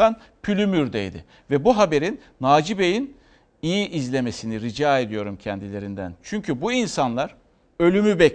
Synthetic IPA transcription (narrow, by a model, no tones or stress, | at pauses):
an | pʰylʲymyɾd̪ḛjd̪ɪ̰ | vɛbuɦabe̞ɾinːaːd͡ʒibe̞jin | ijiʔizlʲe̞me̞siniɾid͡ʒaːe̞d̪ijo̞ɾumcʰɛnd̪ilʲe̞ɾind̪æ̰nt͡ʃʰyɲcʰybuinsanlˠaɾ̥ | ø̞lʲymybɛ